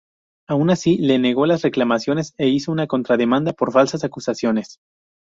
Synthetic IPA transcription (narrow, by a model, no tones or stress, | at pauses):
aunasile̞ne̞ɣ̞o̞lasre̞klamasjo̞ne̞se̞iso̞unako̞nt̪ɾaðe̞mãnd̪apo̞ɾfalsasakusasjo̞ne̞s